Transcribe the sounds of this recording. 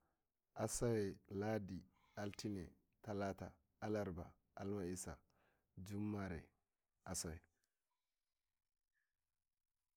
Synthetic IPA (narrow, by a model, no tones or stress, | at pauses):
ʔasawɛladi | altinɛ | talata | alaɾba | almaisa̰ | d͡ʒumːaɾɛ̰ | ʔasawɛ